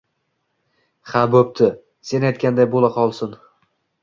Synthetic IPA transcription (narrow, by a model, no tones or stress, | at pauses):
habɵp̚t̪ʰɪ | se̞najt̪̚kʲand̪ajbolˠaqʰɒlˠsɪn